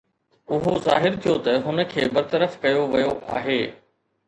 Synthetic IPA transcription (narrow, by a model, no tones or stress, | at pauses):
ʊɦoza̰ːɦɪɾt̪ʰijot̪ɐɦʊnə̆kʰeːbɐɾt̪ɐɾəfkɐjoʋɐjoʔa̰ːɦeː